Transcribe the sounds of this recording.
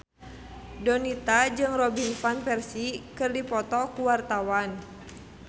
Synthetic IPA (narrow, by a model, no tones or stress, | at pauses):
dɔnit̪ad͡ʒɨŋrɔbinfanpɛrsikɨrdipɔt̪ɔkuwart̪awan